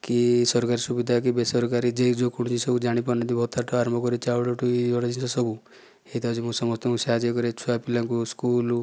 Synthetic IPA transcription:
kisɔɾkaɾisubid̪ʱak̬ibesɔɾkaɾid͡ʒed͡ʒokuɽũd͡ʒisɔbud͡ʒaɽ̃ipɔned̪ibʱɔt̪aʈɔaɾɔmbʱɔkɔɾit͡ʃaʋloʈuɔɽɔd͡ʒinsɔsɔbʱu | et̪ad͡ʒimũsɔmɔst̪ɔũsead͡ʒekɔɾet͡ʃʰuapilãŋkuskul

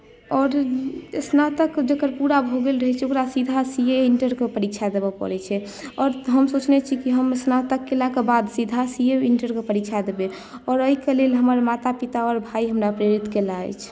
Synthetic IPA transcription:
ɔɾəsnat̪əkd͡ʒekəɾpuɾabʱoɡelɾəɦɛt͡ʃʰokɾasid̪ʱasieiɳʈəɾkepəɾikt͡ʃʰad̪ebəpə̰ɾɛt͡ʃʰɛ | ɔːɾɦəmsot͡ʃnɛt͡ʃʰikiɦəməsnat̪əkːelakebad̪sid̪ʱasieiɳʈəɾkepəɾikt͡ʃʰad̪ebe | ɔːɾəikelelɦəməɾmat̪apit̪aɔɾbʱaiɦəmɾapɾeɾit̪kelaɛ̰t͡ʃʰ

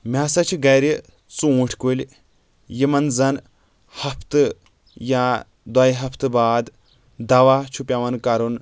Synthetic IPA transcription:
mʲasɐt͡ʃʰiɡɐjɾi | t͡sũːʈʰkulʲ | jimɐnzɐn | hɐpʰt̪ɨ | ja | d̪wɐjɦɐpʰt̪ɨbaːd̪ | d̪ɐʋat͡ʃʰupʲjaʋɐnkɐɾun

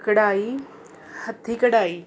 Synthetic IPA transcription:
kəɽaːi | hɐt̪ʰːiːkəɽaːiː

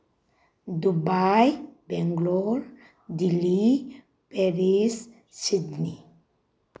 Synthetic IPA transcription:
d̪ubajbeŋɡloɾ | d̪ili | peɾis | sid̪ni

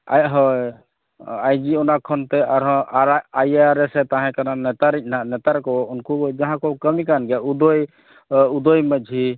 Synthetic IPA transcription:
ajɦɔj | ajd͡ʒiɔnakʰɔnt̪ɛaɾɦɔ̃ajaɾɛsɛt̪ãɦɛ̃kananɛt̪aɾic̚ˀnanɛt̪aɾkɔunkud͡ʒaɦãkɔkəmikanɡɛud̪ɔj | ud̪ɔjməd͡ʒʱi

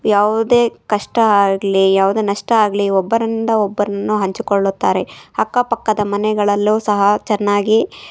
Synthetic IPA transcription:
jaːʋud̪e̞ːkɐʂʈɐaːɡlijaːʋud̪e̞ːnɐʂʈɐaːɡliɔbːɐɾinind̪ɐɔbːɐɾɐnːuɦɐɲt͡ʃikɔɭːut̪ːa̰ːɾe̞hɐkːaːpɐkːɐd̪ɐmɐnɛɡɐɭɐlːusɐɦɐt͡ʃɛnːaːɡi

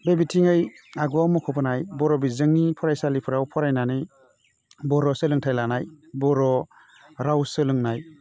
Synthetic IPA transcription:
bebitʰiŋajaɡɔamɔkʰɔpʰɯnajbɔɾɔbizɯŋnipʰɔɾajsalipʰɯɾawpʰɔɾajnanɯj | bɔɾɔsɯlɯŋtʰajlanaj | bɔɾɔ | ɾawsɯlɯŋnaj

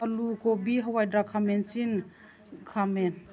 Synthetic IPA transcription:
ʔɐlukobiɦawajdɾakʰamɛnsin | kʰamɛn

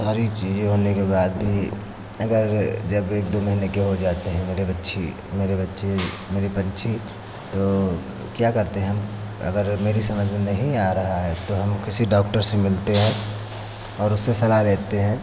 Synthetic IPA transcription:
saːɾit͡ʃiːd͡ʒɦoːnekebaːd̪̚bʱi | ɐɡəɾd͡ʒɐbeːk̚d̪omɐɦinekeɦod͡ʒaːt̪eɦɛ̃meːɾebɐtːʃʰḭ | meːɾebɐtːʃemeːɾipɐ̃nt͡ʃʰi | t̪o | kjakɐɾt̪eɦɛ̃ɦɐm | ɐ̰ɡəɾmeːɾisɐməd͡ʒʱenɐɦĩaːɾɐɦaɦɛt̪oɦɐmkɪsiɖɔːk̚ʈəɾsemɪlt̪eɦɛ̃ | ɔːɾʊsːesɐlaɦleːt̪eɦɛ̃ː

